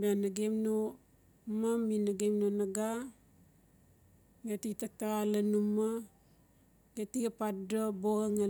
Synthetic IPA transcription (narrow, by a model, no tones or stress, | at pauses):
banaɡemno | maminaɡemnonaɡa | ɡetitak̚taalanuma | ɡetiɡapatdoboɡaŋa